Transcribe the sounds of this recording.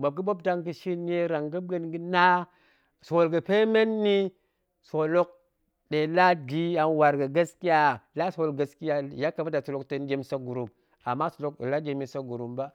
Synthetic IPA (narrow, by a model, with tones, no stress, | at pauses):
ba˨b̚ɡi˦bo˦bda˦ŋɡi˦ʃi˦n˦je˦ɾa˨ŋɡi˦ɡə˦nɡi˦na˦ | so˨o˨lɡa˨pe˦me˦nːi˦ | so˨lo˦k̚ | ɗe˨la˦ɡi˦a˨nwa˨ɾɡa˨ɡa˦ski˦ja˦la˦so˨wo˨lɡa˨ski˦ja˦ja˦kːa˨ba˦da˨so˨lo˦kte˦n˦ɡʲe˦m˦sa˦ɡu˨ɾu˨m | a̰˨mːa˦so˨o˦kḛ˨la˦ɡʲe˨mi˨sa˦ɡu˨ɾu˨mba˦